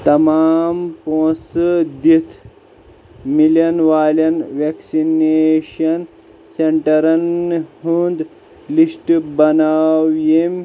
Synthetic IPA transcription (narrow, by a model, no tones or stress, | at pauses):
t̪ɐmaːmpõːsɨd̪it̪ʰ | milɐnʋaːljɐnʋeksineʃɐn | seɳʈɐɾɐnɦund̪ | lisʈbɐnaːwjem